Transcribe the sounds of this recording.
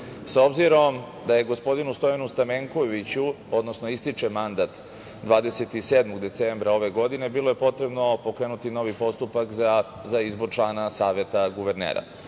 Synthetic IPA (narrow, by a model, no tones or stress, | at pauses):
saobziɾo̞m | d̪aje̞ɡo̞spo̞d̪inust̪o̞janust̪ameŋko̞ʋit͡ɕu | o̞d̪nosno̞ist̪it͡ʂe̞mand̪at̪ | d̪ʋaːd̪ese̞t̪iseːd̪moɡd̪e̞t̪sembɾao̞ʋe̞ɡo̞d̪ine̞bilˠo̞je̞po̞t̪ɾe̞bno̞po̞kɾeːnut̪ino̞ʋipo̞st̪upakzaizbo̞ɾt͡ʃlˠaːnasaːʋjet̪aɡuʋeɾnḛːɾa̰